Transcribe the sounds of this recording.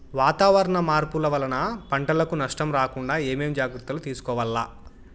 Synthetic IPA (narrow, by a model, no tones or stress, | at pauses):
ʋaːt̪aːʋɐɾɐɳɐmaːɾpulɐʋɐlɐnɐpɐɳʈɐlɐkunɐʂʈɐmɾaːkuɳɖaːeːmeːmd͡ʒaːɡɾɐt̪ːɐlut̪iːsu̥kɔːʋɐlːaː